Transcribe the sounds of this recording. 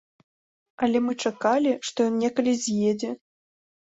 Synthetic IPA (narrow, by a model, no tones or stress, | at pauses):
ɐlʲɛmɨt͡ʂakalʲiʂt̪ɔjɔnnʲɛkɐlʲizʲjed͡zʲɛ